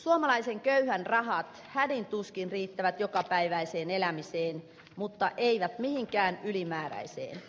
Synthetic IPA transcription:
suomɑlɑiseŋkøyhænrɑɦɑt̪ | hædint̪uskinriːt̪ːæʋæt̪jokɑpæiʋæiseːnelæmiseːn | mut̪ːɑʔeiʋæt̪mihiŋkæːnylimæːɾæ̰isḛːn

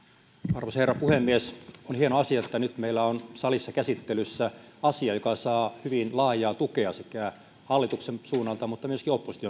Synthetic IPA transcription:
ɑrʋosherːɑpuhemːiesonhienoɑsiɑet̪ːænyt̪meilːæonsɑlisːɑkæsit̪ːelysːæ | ɑsiɑjokɑsɑːhyʋinlɑːjˑɑːt̪ukeɑsekæ | hɑlːit̪uksensuːnːɑlt̪ɑmut̪ːɑmyøskiopːosi̥t̪io

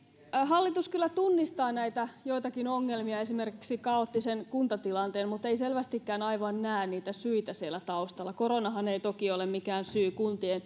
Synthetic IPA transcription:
ɦɑlːit̪uskylːæt̪unːist̪ɑːnæit̪æjoit̪ɑkinoŋːelmiɑesimerkiksikɑot̪ːisenkunt̪ɑt̪ilɑnt̪eːnmut̪eiselʋæst̪ikːæːnɑiʋɑnnæːnniːt̪æsyit̪æsielːˑæt̪ɑust̪ɑlːɑkoronɑɦɑneit̪okiolemmikæːnsyːkunt̪ien

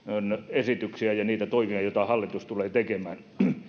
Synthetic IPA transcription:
onesit̪yksiæjɑniːt̪æt̪oimiɑjot̪ɑhɑlːit̪ust̪uleːt̪ekemæːn

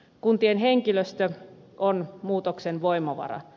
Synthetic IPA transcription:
kunt̪ienheŋkiløst̪øʔonmuːt̪oksenʋoimɑʋɑ̰rɑ̰

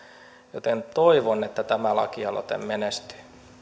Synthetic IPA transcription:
jot̪ent̪oiʋonːet̪ːæt̪æmælɑ̰kiɑlo̰t̪ḛmmenest̪y̥

